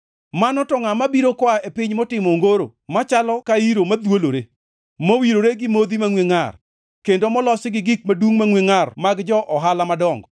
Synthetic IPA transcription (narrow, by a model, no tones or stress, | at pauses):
manɔtɔŋamabiɾokwaepɪɲmɔtɪmɔŋɡoɾo̰ | mat͡ʃalɔkaiɾomad̪woloɾe | mowiɾoɾeɡɪmod̪imaŋweŋar | kendomɔlɔsɪɡɪɡik̚madwuŋmaŋweŋarmaɡd͡ʒɔʔɔɦalamadɔŋɡ